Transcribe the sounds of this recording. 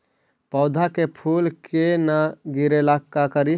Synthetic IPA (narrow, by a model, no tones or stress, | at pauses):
pɔʊd̪ʱakepʰulkenaɡiɾelakːakəɾi